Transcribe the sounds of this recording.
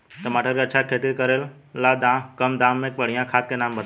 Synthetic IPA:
kɐmaːʈəɾkeɐtːʃʰakʰeːt̪iɾkəɾel | lad̪ãːkɐmd̪ãːmːẽpɐɽ̤ɪjãkʰaːt̪̚kenaːmbət̪

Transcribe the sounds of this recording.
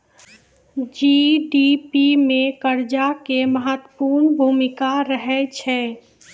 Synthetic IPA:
d͡ʒiɖipimẽkəɾd͡ʒakeməɦət̪wəpuːɾnbʱuːmɪkaɾəɦɛt͡ʃʰɛː

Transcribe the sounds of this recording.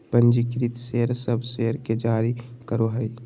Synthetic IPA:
pə̃nd͡ʒikɾit̪seːɾsəbʱseːɾked͡ʒaːɾikəɾoɦəi

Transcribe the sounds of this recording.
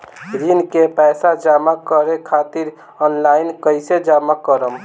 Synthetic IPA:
ɾinkepɛːsad͡ʒamakəɾekʰat̪iɾ | ɔnlaɪnkəɪsed͡ʒamakəɾəm

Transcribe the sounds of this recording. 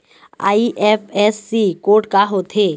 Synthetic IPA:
a̰ːiʔɛːfɛsːikoːʈkaɦoːt̪ʰeː

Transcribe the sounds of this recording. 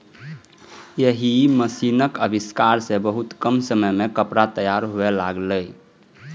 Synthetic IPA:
jəɦiməsinəkəbiskaɾsebəɦut̪kəmsəməjmekəpɾat̪əjaɾɦoelaɡləj

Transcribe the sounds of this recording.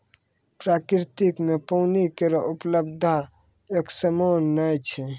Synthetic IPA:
pɾakɾt̪ikmepənikeɾɔʔupləbd̪ʱa | eksəmonːajt͡ʃʰɛ

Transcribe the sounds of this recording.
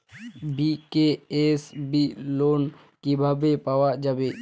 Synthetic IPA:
bikeesbiloːn | kibʱaːbepaːwad͡ʒaːbe

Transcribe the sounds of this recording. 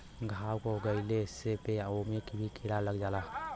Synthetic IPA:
ɡʱaːwkoɡəɪlesepeaomekibʱikʰeɽaləɡd͡ʒaːlaː

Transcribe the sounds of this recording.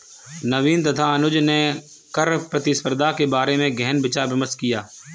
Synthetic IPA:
nəʋiːnt̪̬ɐt̪ʰaɐnʊd͡ʒne | kəɾpɾət̪ispəɾd̪akebaːɾemẽɡɛɦnbɪt͡ʃabɪməskijaː

